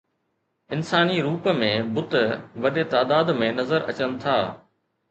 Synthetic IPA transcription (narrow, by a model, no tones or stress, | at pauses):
ɪnsaːniɾuːpəmẽbʊt̪ʋɐɗet̪aːd̪aːd̪mẽnɐzəɾɐ̰t͡ɕənɪ̆t̪ʰaː